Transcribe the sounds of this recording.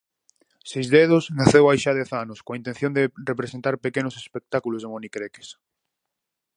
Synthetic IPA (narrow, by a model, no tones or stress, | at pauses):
sejzðeð̞ʊsnaθewajʃaðɛθanoskõaint̪ẽn̟θjõnd̪erepɾesẽnt̪aɾpekenosespek̚t̪akulozðemonikɾeke̥s